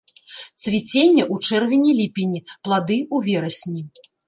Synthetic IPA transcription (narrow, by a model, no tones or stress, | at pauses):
t̪svʲit͡sʲenʲːɐʔut͡ʂɛrvʲinʲilʲipʲinʲiplˠad̪ɨuvʲɛɾɐsʲnʲi